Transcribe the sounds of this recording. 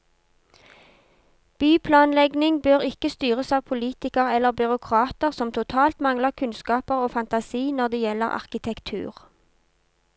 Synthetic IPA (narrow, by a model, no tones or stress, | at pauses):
b̥yːpʰlɑːnlɛɡnɪŋbøːʁɪkəst̪yːʁəsɑːʋpʰʊliːt̪ɪkəʁɛlːəʁbʏʁʊkʰʁɑːt̪əʁsɔmt̪ʰʊt̪ʰɑːlt̪mɑŋləʁkʰʉnskɑːpəʁoːfɑnt̪ɑsiːnɔʁd̪eːjɛlə̰ʁɑ̰ʁkɪt̪ʰɛkt̪ʰʉ̰ːʁ